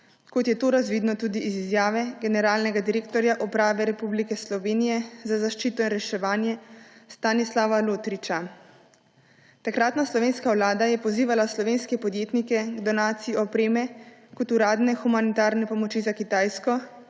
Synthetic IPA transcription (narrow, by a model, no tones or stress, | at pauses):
kɔt̪jɛt̪oɾazʋiːd̪nɔt̪ud̪iʔːzizjaːʋɛɡɛnɛɾaːlnɛɡad̪iɾeːkt̪ɔɾjaʔɔpɾaːʋɛɾɛpublikɛslɔʋeːnijɛzazaʃt͡ʃiːt̪ɔinɾɛʃɛʋaːnjɛst̪anislaʋaloːt̪ɾit͡ʃa | t̪akɾat̪naslɔʋeːnskawlaːd̪ajɛpɔziːʋalaslɔʋeːnskɛpɔd̪jeːt̪nikɛɡd̪ɔnaːt̪sijiɔpɾeːmɛkɔt̪uɾaːd̪nɛxumanit̪aːɾnɛpɔmɔt͡ʃizakit̪aːjskɔ